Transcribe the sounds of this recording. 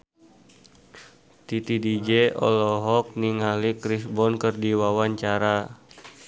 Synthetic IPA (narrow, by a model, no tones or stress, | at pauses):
t̪it̪idid͡ʒɛɔ̰lɔɦɔk̚niŋalikɾisbɔnkərdiwawaɲt͡ʃaɾa